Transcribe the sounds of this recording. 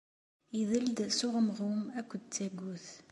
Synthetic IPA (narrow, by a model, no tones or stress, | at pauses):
iðəld̪sʊʁəməʁumækʷːd̪̚t͡sːæɡuθ